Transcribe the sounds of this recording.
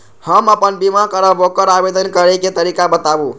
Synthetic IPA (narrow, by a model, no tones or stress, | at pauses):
həməpənbimakəɾəbokəɾabed̪ənkəɾeket̪əɾikabət̪abu